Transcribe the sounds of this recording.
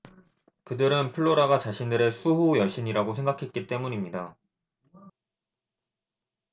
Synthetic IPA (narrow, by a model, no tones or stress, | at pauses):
kɯdɯɾɯnpʰɯɭːoɾaɡat͡ɕaɕʰindɯɾesʰuɦojʌɭɕ͈ʰiɲiɾaɡosʰe̞ŋɡakʰe̞t̚k͈it͈e̞muɲimɲida